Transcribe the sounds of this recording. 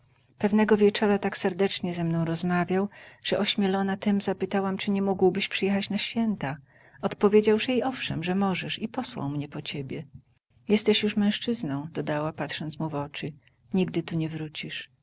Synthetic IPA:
pɛvnɛɡɔvʲjɛt͡ʂɔɾat̪aksɛɾd̪ɛt͡ʂɲɛzɛmnɔ̃w̃ɾɔzmavʲjawʐ̥ɛʔɔɕmʲjɛlɔnat̪ɛmzapɘt̪awamt͡ʂɘɲɛmuɡwbɘɕpʂɘjɛxat͡ɕnaɕfʲjɛnt̪a | ɔt̪pɔvʲjed͡ʑawʐɛjɛɔfʂɛ̰mʐɛmɔʐɛʂipɔswa̰wmɲɛpɔt͡ɕebʲjɛ | jɛst̪ɛɕjuʂmɛ̃w̃ʂt͡ʂɘznɔ̃w̃d̪ɔd̪awapat̪ʂɔnt̪smuvɔt͡ʂɘ | ɲiɡ̚d̪ɘt̪uɲɛvɾut͡ɕiʂ

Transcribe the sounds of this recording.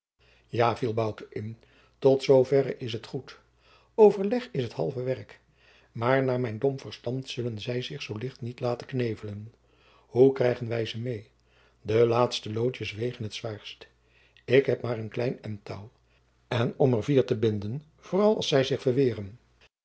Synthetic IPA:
jaːvilˠbɑwtəʔɪn | tɔtsowvɛɾəʔɪs̬ɦətχut | owvəɹlɛχɪsɦətɦɑ̰lˠvəʋɛɹk | maːɹnaːɹmɛjndɔmv̥əɹstɑntsɵlənzɛjzɪχsowlɪχtnitlaːtəknejvələn | hukrɛjχənʋɛjzəmej | dəlaːtstəlowtəsʋejχənɦətsʋaːɹst | ɪkɦɛpmaːɹənklɛjnɛmtaw | ɛnɔməɹviːɹtəbɪndən | v̥ʊːrɑlˠɑ̰lˠsɛjzɪχfəɹʋɪːrən

